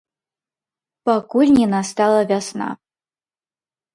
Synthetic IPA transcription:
pakulʲnʲinast̪alˠɐvʲasna̰

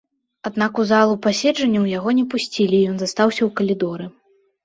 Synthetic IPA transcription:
ad̪nakuzalˠupasʲɛd͡ʐɐnʲːɐwjaɣɔnʲɛpusʲt͡sʲilʲijɔnzast̪awsʲɐwkɐlʲid̪ɔɾɨ

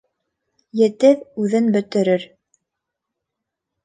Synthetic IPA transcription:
jɘ̆t̪ɘpʉðɘnbɵ̆t̪ɘ̆ɾɘɾ

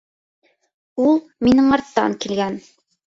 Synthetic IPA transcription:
ulˠ | minɘŋɑɾt̪ːɑ̰ŋkilɡæn

